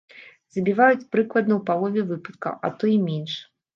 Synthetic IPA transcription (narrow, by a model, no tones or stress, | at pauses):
zɐbʲivajut͡sʲpɾɨklˠɐd̪nɐwpalˠɔvʲɛvɨpɐt̪̚kɐ̰ʔɐ̰t̪ɔimʲɛnʂ